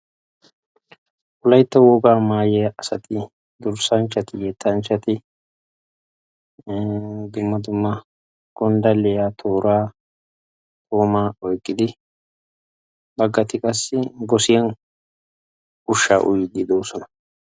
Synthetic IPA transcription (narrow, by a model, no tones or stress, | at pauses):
ʔʊlɐjt̪ːɐwɔɡaːmaːjɛjɐʔɐsɐt̪ɪ | d̪ʊɾsɐnt͡ʃːɐt̪ɪjɛt̪ʰːɐnt͡ʃːɐt̪ɪ | d̪ʊmːɐd̪ʊmːɐ | ɡ̥ɔnd̪ɐlɛjat̪ʰoːɾaː | k̪ʼoːmaːɔjkʼːɪd̪ɪ | bɐɡːɐt̪ɪkʼɐsːɪɡɔsɪjɐn | ʊʃːa̰ːʔʊ̰jɪɡ̪ɪd̪oːsɔnɐ̥